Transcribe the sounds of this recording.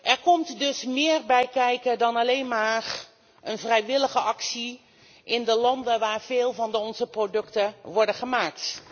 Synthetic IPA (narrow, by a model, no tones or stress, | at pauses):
ʔɛɹkɔmtdɵsmɪːrbɛjkɛjkədɑnalejnmaːr | ʔənvrɛjʋɪləɣəʔɑksi | ʔɪndəlɑndəʋaːɹv̥ɪːlˠvɑndəɔnzəprodɵktəʋɔɹdəχəmaːk̚t